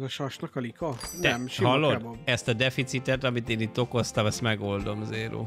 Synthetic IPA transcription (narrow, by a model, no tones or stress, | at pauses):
zɒʃɒʃnɒkɒlikɒnɛɛmʃiɦɒlːod̪ɛst̪ɒd̪ɛfit̪sit̪ɛt̪ɒmit̪eːniːt̪ːo̞ko̞st̪ɒmɛst̪mɛɡo̞ld̪o̞mzeːɾṵː